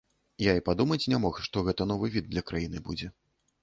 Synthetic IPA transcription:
jaipad̪umɐt͡sʲnʲamɔxʂt̪ɔɣɛt̪ɐn̪ɔvɨvʲid̪̚ːlʲɐkɾajinɨbud͡zʲɛ

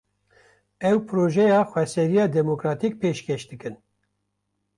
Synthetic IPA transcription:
ɛwpʰɾoːʒɛjɑːxwɛsɛɾijɑːd̪ɛmokɾɑːt̪ik̚peːʃkeʃd̪ɨkɨn

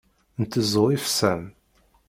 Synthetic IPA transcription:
nt̪əzˤoifsæm

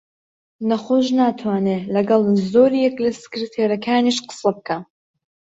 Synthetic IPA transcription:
nɐχoːʒnaːt̪ʰwaːnelɐɡɐlˠzoːɾijɛklɐsɨ̥kɾit̪ʰeɾɐkʰaːniʃqə̥sɐbɨkʰa

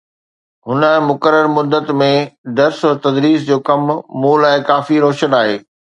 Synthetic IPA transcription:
ɦʊnə̆mʊkəɾəɾmʊd̪ət̪mẽɖɐɾsʊɾt̪ɐd̪ɾiːs̬d͡ʑoːkɐmːuːlɛ̃ːkaːfiɾoːʃənaːɦeː

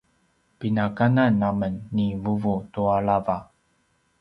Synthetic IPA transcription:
pinakananːamənːivuvutuaɭava

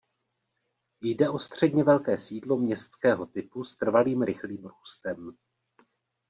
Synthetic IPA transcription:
jdɛʔo̞st̪r̝̥ɛdɲɛvɛlkɛːsiːdlo̞mɲɛst̪t͡skɛːɦo̞t̪ɪpust̪r̩valiːmɾɪxliːmɾuːst̪ɛm

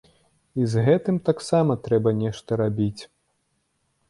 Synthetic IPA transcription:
izɣɛt̪ɨmt̪aksamɐt̪ɾɛbɐnʲɛʂt̪ɐɾabʲit͡sʲ

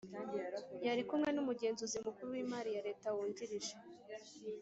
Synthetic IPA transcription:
jaɾikumŋe̞numuɡe̞ːnzuzimukuɾuwiːmaːɾijaɾe̞ːtawuːɲdiɾiʒe

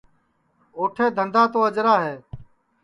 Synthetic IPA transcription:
oːʈʰeːd̪ʱənd̪aːt̪oːəd͡ʒɾaːɦeː

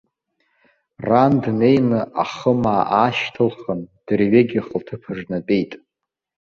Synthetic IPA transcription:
randne̞jnɨʔa̰χəmaːʔaːʃtʰɨlχənd̥ɨrɥeɡʲiχʼəltʰɨpʰɨʐnapʼe̞jtʼ

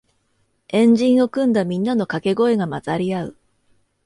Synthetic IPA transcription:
ẽ̞ɲ̟d͡ʑĩɰ̃o̞kɯ̟̃nd̪amʲĩnːano̞kake̞ɡo̞e̞ɡamazaɾʲiaɯ̟

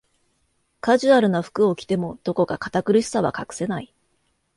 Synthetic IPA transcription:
kaʑɨaɾɯ̟naɸɯ̟̥kɯ̟o̞kʲi̥t̪e̞mo̞d̪̥o̞ko̞kakḁt̪akɯ̟ɾʲisɨ̥saβa̰kakɯ̟̥se̞nai

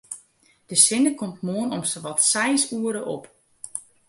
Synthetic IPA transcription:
d̥əsɪnəkomtmoənɔmsəʋɔtsɛjsuəɾəʔo̰p

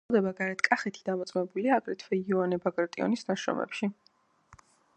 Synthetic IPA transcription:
d̪ɛbaɡaɾɛt̪ʰkʼaχɛt̪ʰi̥d̪amɔt̪sʼmɛbuliaːɡɾɛt̪ʰvɛiɔanɛbaɡɾt̪ʼiɔ̰nisnaʃɾɔ̰mɛ̰pʃi

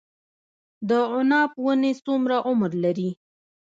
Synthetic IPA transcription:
d̪əʊnɑpwənesumɾaʔʊmɾlaɾi

